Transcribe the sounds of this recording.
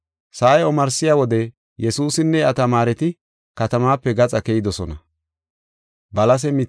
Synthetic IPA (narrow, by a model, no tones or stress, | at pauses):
saːjɛɔmɐɾsɪjaːwɔd̪ɛ | jɛsuːsɪnːɛɐt̪ɐmaːɾɛt̪ɪ | kɐt̪ɐmaːpːɛɡɐt͡sʼɐkɛjɪd̪ɔsɔnɐ | bɐlɐs̬ɛmɪ